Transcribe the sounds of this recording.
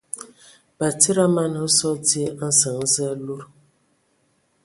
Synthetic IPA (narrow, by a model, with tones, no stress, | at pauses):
b̥a˨ti˦ɾa˦ma˦n˨ʊ˦sɔ˦di˦n̩˦sa˨n̩˦ze˦lu˦ɾ